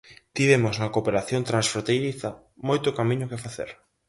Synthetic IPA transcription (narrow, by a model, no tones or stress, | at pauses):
t̪iβemoznɐkopeɾaθjont̪ɾãnsfɾõnt̪ejɾiθɐ | mojt̪ʊkamĩɲʊkefaθḛɾ